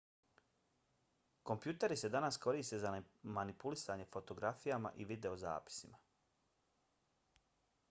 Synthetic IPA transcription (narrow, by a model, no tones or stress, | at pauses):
ko̞mpjuːt̪e̞ɾise̞d̪anasko̞ɾiːst̪e̞zamanipulisaːɲe̞fo̞t̪o̞ɡɾafijama̰ʔiʋid̪e̞o̞za̰ːpi̥sima